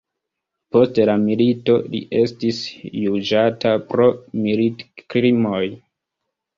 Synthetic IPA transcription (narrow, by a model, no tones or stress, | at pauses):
po̞stelamilito̞lḭʔe̞stisjud͡ʒatapɾo̞militkɾimoj